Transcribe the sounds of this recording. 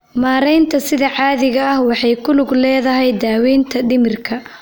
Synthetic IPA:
maːɾɛjnt̪ʰɐsɪðɐʕɑːðɪɣɐɐhwɑħɑjkʰʊlʊɡlɛːðɐɦɛjd̪aːwɛːnt̪ʰɐɖɪmɪrkʰɐ

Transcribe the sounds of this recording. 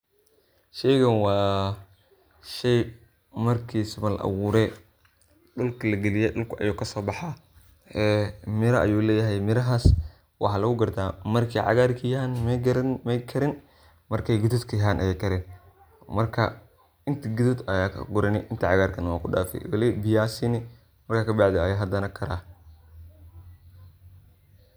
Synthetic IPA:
ʃɛjɣɐnwɑː | ʃɛj | mɐrkʰiːsɪβɐlɐ̰ʔɐ̰wuːɾɛ | ɗʊlkʰɐlɐɡɛlɪjɛɗʊlkʰɐʔɐ̰juːkʰɐsɔːbɑħaː | ɛːmɪɾɐʔɐ̰juːlɛːjɐɦɛjmɪɾɐɦaːs | wɑ̰ħɑːlɐɣʊɡɐrt̪ʰaːmɐrkʰɛjʕɑ̰ɣaːrkʰɐjɐanmɛɾmɛjkʰɐɾɪn | mɐrkʰɛjɡʊðʊd̪kʰɐjɐɦaːnʔɐ̰jɛkʰɐɾɛːn | mɐrkʰɐ̰ | ɪnt̪ʰɐɡʊðʊd̪ɐjaːkʰɐ̰ɡʊɾɪnɪʔɪnt̪ʰɐʕɑɣaːrkʰɐnɐwaːkʰʊɖa̰ːfɛ̰jwɐlɛbɪjaːsɪnɪ | mɐrkaːkʰɐbɑʕd̪ɛɐjaːɦɐd̪ɐnɐkʰɐɾa̰ː

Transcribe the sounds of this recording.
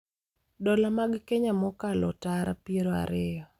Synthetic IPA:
dɔlamaɡkeɲamɔkalɔtaɾa̰pieɾoa̰ɾɪjɔ

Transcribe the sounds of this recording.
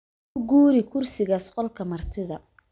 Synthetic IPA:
ʊɡuːɾɪkʰʊrsɪɣaːsqɔlkʰɐmɐrt̪ʰɪðɐ

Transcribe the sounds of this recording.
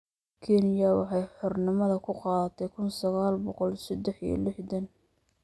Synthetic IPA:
kʰɛnjɐwɑħɑjħɔrnɪmɐðɐkʰʊqɑːðɐt̪ʰɛjkʰʊnsɐɣaːlbɔqɔlsɐd̪ɛħḭlɪħd̪ɐn

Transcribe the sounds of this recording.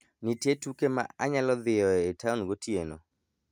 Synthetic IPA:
nitjetukema̰aɲalɔðɪɔetʰaɔnɡotieno̰

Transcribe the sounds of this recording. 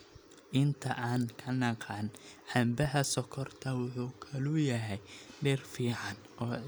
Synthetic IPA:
ʔɪnt̪ʰɐʔaːnkʰɐnɑqɑːnħambɐɦɐsɔkʰɔrt̪ʰɐwʊħuːkʰɐlujɐɦɛjɖɛrfiːʕɑn | ɔː

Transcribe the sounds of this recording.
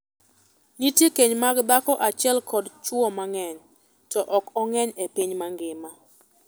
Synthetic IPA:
nitjekeɲmaɡd̪akɔʔat͡ʃɪɛlkʰɔdt͡ʃwɔmaŋɛɲ | tɔʔɔkɔŋɛɲepiɲmaŋɡɪma

